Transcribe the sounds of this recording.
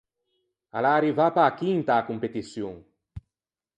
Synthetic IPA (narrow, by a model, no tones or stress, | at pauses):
alaɾivapaːkint̪aːkumpet̪isjõŋ